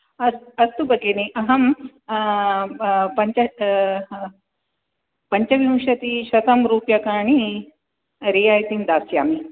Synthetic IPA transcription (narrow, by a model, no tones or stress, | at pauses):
ɐsɐst̪ubɐɡeːniʔɐɦɐm | pɐɲt͡ʃɐ | pɐɲt͡ʃɐʋiwʃɐt̪iʃɐt̪ɐmɾuːpjɐkaːɳi | ɾiːjaːjt̪ind̪aːsjaːmi